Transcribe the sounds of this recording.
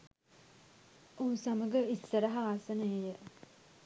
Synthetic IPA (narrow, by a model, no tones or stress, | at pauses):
uːsɐməɡəisːəɾɐɦaːsənəejə